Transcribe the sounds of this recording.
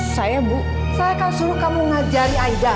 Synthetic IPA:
sajabu | sajakansuɾukamuŋad͡ʒaɾiaida

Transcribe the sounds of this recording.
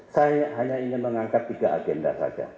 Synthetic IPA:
sajaɦaɲaiŋɪnməŋaŋkap̚t̪iɡaʔa̰ɡɛnda̰sa̰d͡ʒa̰

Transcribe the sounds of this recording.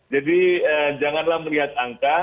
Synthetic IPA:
d͡ʒadiəd͡ʒaŋanlahməliɦat̪̚aŋka

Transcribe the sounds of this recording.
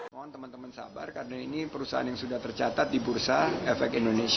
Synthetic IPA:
maant̪əmant̪əmənsa̰ba̰rkaɾənainipəɾusaɦa̰njaŋsudaht̪ərt͡ʃat̪at̪̚dibursaɛfɛk̚indonesi

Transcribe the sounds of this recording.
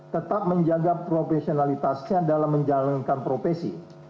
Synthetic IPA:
t̪ət̪ap̚məɲd͡ʒaɡapɾofesionalit̪asɲadalamːəɲd͡ʒalankanpɾofesḭ

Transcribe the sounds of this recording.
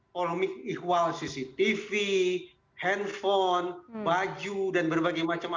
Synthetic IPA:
polɔmɪk̚ikwalsisit̪ifi | hɛnfɔnbad͡ʒudanbərbaɡajmat͡ʃama

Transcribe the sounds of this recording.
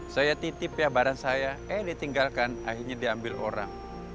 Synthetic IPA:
sajat̪it̪ɪpjabaɾansajaɛdit̪iŋɡalkanahirɲadiambɪlʔo̰ɾa̰ŋ

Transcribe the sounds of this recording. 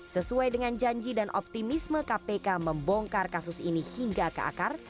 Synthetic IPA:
səsuajdəŋand͡ʒaɲd͡ʒidanʔɔ̰p̚t̪imisməkapekaməmbɔŋkarkasusinihiŋɡaka̰ʔa̰kar

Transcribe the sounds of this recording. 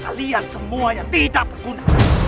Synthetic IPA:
ka̰liansəmuajaŋt̪idaʔpəkuna

